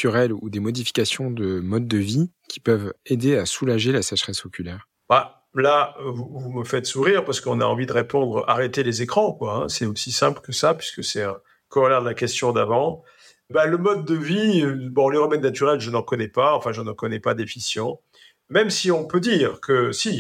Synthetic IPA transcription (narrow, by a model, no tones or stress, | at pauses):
t̪yʁɛlud̪emɔd̪ifi̥kʲasjɔ̃d̪əmɔd̪̚ːəvi | kʲi̥pœved̪easulaʒelasɛʃχɛsɔkʲʰylɛːʁ | ba | lavuvuməfɛt̪suʁiʁpaʁsə̥kəɔ̃na̰ɑ̃vid̪əʁepɔ̃d̪ʁaʁet̪elezekχɑ̃kwaɛ̰̃sɛosisɛ̃pləkəsapɥi̥skəsɛɛ̃ | kɔʁlɛʁd̪əlakʲɛst̪jɔ̃d̪avɑ̃ | baləmɔd̪̚ːəviøbɔ̃leʁəmɛnːat̪yʁɛlʒənɑ̃kɔnɛpaɑ̃fɛ̃ʒənɑkɔnɛpad̪efisjɑ̃ | mɛmsiɔ̃pød̪iːʁkʰəsi